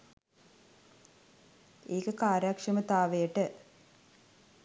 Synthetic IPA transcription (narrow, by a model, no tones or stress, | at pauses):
eːkɐkaːɾjakʂɐmɐt̪aːʋejʈə